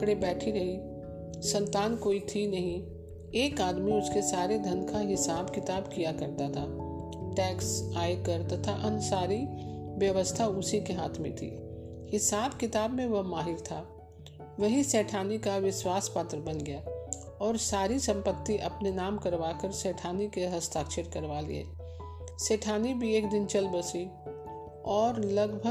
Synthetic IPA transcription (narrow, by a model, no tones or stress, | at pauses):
ɽebɛːʈʰiɾɐɦi | sɐ̃nt̪aːnkoːit̪ʰinɐɦĩ | eːkaːd̪miʊskesaːɾed̪ʱɐnkaɦɪsaːbkɪt̪aːbkijakɐɾt̪at̪ʰaː | ʈɛːksaːjkəɾt̪ɐt̪ʰaʔɐnʊsaːɾiʋjɐʋəst̪ʰaʊsikeɦaːt̪ʰmḛ̃t̪ʰḭː | hɪsaːbkɪt̪aːbmẽʋɐɦmaːɦɪɾt̪ʰa | ʋɐɦiseːʈʰaːnikaʋɪswaːspaːt̪ɾəbɐnɡɐjaː | ɔːɾsaːɾisɐ̃mpət̪ːiʔɐpnenaːmkɐɾʋaːkəɾseːʈʰaːnikeɦɐst̪ʰaːkʃeɾkɐɾʋaːlḭɦɛ̰ː | seːʈʰaːnibʱieːkd̪ɪnt͡ʃɐlbəsi | ɔːɾlɐɡbʱə